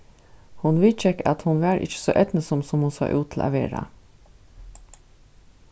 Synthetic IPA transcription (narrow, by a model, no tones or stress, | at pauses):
hʊnʋɪt͡ʃɛkɑt̪hʊnʋæːɾʔɪ̰çə̥so̰ːʔɛt̪nəsɔmsɔmhʊnsɑ̰ːʔʉ̰ːt̪ʰɪlɑ̰ʋḛːɾɑ̰